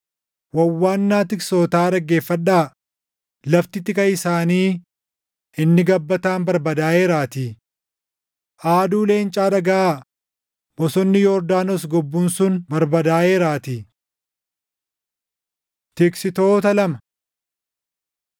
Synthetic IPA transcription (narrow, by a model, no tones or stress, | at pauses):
wɐwwːaːnːaːt̪ɪkso̞ːt̪aːɾɐɡe̞ːfːɐᶑːaː | lɐft̪ɪt̪ɪkɐɪsaːniː | ɪnːɪɡɐbːɐt̪aːnbɐɾbɐd̪aːʔe̞ːɾaːt̪iː | ʔaːd̪uːle̞ːnt͡ʃʼaːd̪ɐɡɐʔaː | bɔsɔnːɪjɔɾd̪aːnɔsɡɔbːuːnsʊnbɐɾbɐd̪aːʔe̞ːɾaːt̪iː | t̪ɪksɪt̪o̞ːt̪ɐlɐmɐ̥